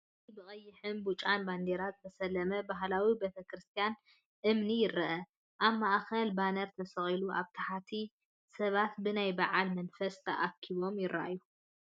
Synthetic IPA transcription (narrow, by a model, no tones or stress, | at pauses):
bɨχʼɐjːɪħɨnbut͡ʃʼanband̪eɾat̪zɨt̪ʰɐsɐlːɐmɐbaɦlawibet̪ʰɐkɾɨst̪ʰijan | ʔɨmnijɪrɐʔɐ | ʔaβmaʔkɐlbanɐɾt̪ʰɐsɐχʼiluʔa̰βt̪ʰḁħat̪ʰi | sɐβat̪bɨnajbaʕalmɐnfɐst̪ʰɐ̰ʔakʰiβo̞mjɪra̰ʔju